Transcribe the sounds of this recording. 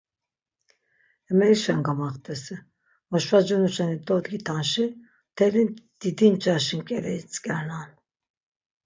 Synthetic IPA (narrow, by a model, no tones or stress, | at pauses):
ɛmɛɾiʃanɡamaχt̪ʰʼɛsi | ɔʃvad͡ʒunuʃɛnid̪ɔd̪ɡit̪ʰanʃi | t̪ʰɛlind̪̥id̪int͡ʃʼaʃinkʼɛɾɛit͡sʼkʼɛɾnan